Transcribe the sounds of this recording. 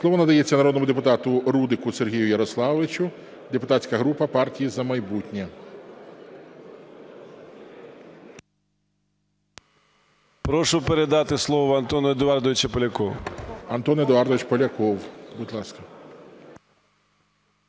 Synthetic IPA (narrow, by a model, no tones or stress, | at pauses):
slˠɔʋɔnɐd̪ɐjet͡sʲːɐnɐɾod̪nɔmʊd̪epʊt̪ɑt̪ʊɾud̪ɪkʊserɦʲijʊjɐɾɔslˠɑʋɪt͡ʃʲʊ | d̪epʊt̪ɑsʲkɐɦɾupɐpɑrtʲijizɐmɐjbutʲnʲɛ | pɾɔʂʊpeɾed̪ɑt̪ɪslˠɔʋɐɐnt̪ɔnɐd̪ɔɑrd̪ɔʋɪt͡ʃɐpɐlʲɐkɔwɐnt̪ɔnjɛd̪ɔɑrd̪ɔʋɪt͡ʃpɐlʲɐkɔwbʊd̪ʲlˠɑskɐ